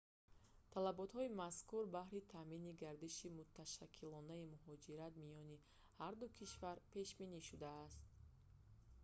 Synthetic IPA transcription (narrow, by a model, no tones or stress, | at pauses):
t̪ʰalabɔt̪hɔimaskuɾbahɾit̪ʰaminiɡaɾd̪iʃimut̪ʰːaʃakʰːilɔnaimuɦɔd͡ʒiɾat̪mijɔni | haɾd̪ukʰiʃvaɾpe̞ʃbiniʃud̪aːst̪̚